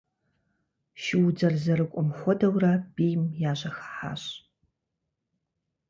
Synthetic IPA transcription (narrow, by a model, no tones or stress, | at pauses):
ʃɪwd͡zɐrzɐɾɨkʷʼɔmχʷɔdɐwrabiːjmjaːɕɐxɐ̥ħa̰ːɕʼ